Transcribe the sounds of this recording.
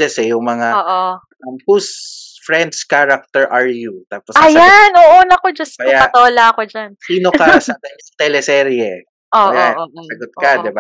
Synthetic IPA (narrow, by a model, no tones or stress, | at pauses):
d͡ʒɛsɛjʊŋmɐŋaoʔo | ɐmpusfɾɛnd̪skaɾɐk̚t̪ɛɹʔɐɹjut̪aːposajanʔoːʔonɐkod͡ʒɐsɐjjaɐt̪oʔolaɐkod͡ʒansiːnokɐsɐd̪ɐɲɐŋt̪ɛlɛsɛːɾiɛ | ʔoːɐjasɐɡot̪̚kɐd̪ɪba